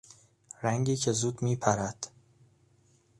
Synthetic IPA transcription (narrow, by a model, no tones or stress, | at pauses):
ɾæŋɟiːcʰe̞zuːd̪miːpʰæɾæd̪̥